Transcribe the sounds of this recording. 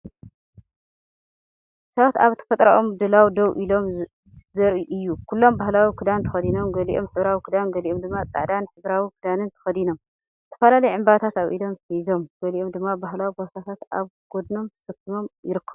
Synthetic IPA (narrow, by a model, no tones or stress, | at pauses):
sɐβat̪aβt̪ʰɐ̥fɐt̪ʼɾa̰ʔomd̪ɨlawid̪ɐwʔilo̞m | zɐɾiʔɨjːukʰulːo̞mbahlawikʰɨd̪ant̪ʰɐ̥xɐd̪ino̞mɡɐliʔomħɨβɾawikʰɨd̪anɡɐliʔomd̪ɨmːat͡sʼa̰ʕd̪anħɨβɾawikʰɨd̪anɨnt̪ʰɐ̥xɐd̪ino̞m | ɨt̪ʰːɐ̥fɐlalɐjʕɨmbat̪ʰat̪aβʔḭd̪o̞mszo̞mɡ̥ɐliʔo̞md̪ɨmːabaɦlawibosat̪ʰat̪ʔa̰βɡ̥o̞d̪no̞mt̪ʰɐ̥sɐkʰːimo̞mjɪɾɨkʰːɐβu